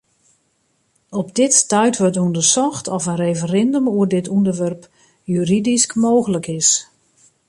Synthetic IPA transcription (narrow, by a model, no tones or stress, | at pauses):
ɔpdɪttœɥtʋɔtundərsɔxtʰɔfənrejfərɪndəmuərdɪtʰundərʋɛrp | jyridiskmoːɣələkɪs